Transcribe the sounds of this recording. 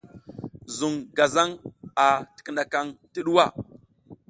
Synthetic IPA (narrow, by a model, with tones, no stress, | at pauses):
zu˨ŋɡa˨za˦ŋa˨tə̥˨kə˦na˨ka˦ŋtə˦ɗu˦wa˦˨